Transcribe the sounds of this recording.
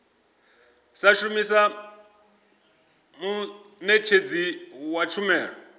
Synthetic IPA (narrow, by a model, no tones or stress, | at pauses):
saʃumisa | mu | nɛt͡ʃʰed͡ziwat͡ʃʰumɛːɺɔ